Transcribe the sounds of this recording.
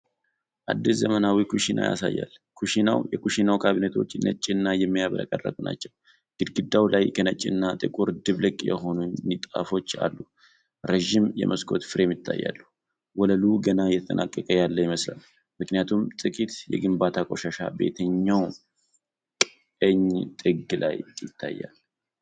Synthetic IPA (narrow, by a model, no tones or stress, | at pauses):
ʔad̪ːiszəmənawikʰuʃinʔa̰ja̰sa̰jːa̰lkʰuʃinawjɛkuʃinawkʰaβinet̪ʰo̰t͡ʃːnə̰t͡ʃʼːinːajɛmːijaβələ̰kʼərːə̰kʼna̰t͡ʃːɛw | ɡ̥ɨd̪ɡɨd̪ːawlajkʰənət͡ʃʼːɪɨnːat̪ʼɨkʼuɾd̪ɨβlɨkʼːjɛ̰ho̞nunnit̪ʼa̰fo̞t͡ʃːa̰lːu | ɾeʒimjɛ̰mʔəskʰo̞t̪fɨɾɛmjɪt̪ʰːa̰jːa̰lːuh | wɔləluɡənajɛt̪ʰət̪ʼənʔakʼːəkʼəjalːəjɪməsla̰l | mɨknijat̪ʰumt̪ʼɨkʼit̪jɛ̰ɡɨmbat̪ʰakʼo̞ʃaʃa̰be̞̰t̪ʰəɲːaw | kʼ | əɲt̪ʼɨɡːla̰jjɪt̪ʰːa̰jːa̰l